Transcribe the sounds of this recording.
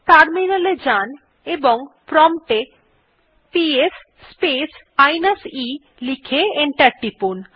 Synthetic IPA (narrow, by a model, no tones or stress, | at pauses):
ʈaɾminaled͡ʑan | eboŋpɾɔmʈe | piesː | pes | ajnasi | likʰeeɳʈaɾʈipun